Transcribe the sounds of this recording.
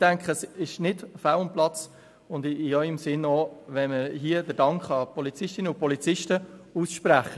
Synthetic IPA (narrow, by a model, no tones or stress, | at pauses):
d̥æŋkχəsɪʃnɪdfawʊnmplɑt͡s | ʊndɪœʏəmsɪnoːʋɛnməɾɦiədəɾdɑŋkχɑpɔlit͡sɪʃtɪnəʊpɔlit͡sɪʃtəuːsʃpɾæχə